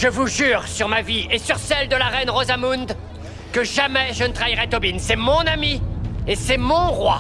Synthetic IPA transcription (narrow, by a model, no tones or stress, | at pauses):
ʒəvuʒyːʁsyʁmaviesyʁsɛld̪əlaʁɛnʁozamund̪ | kəʒamɛʒənət̪χaiʁɛt̪ɔbinsɛmɔ̃namiesɛmɔ̃ʁwa̰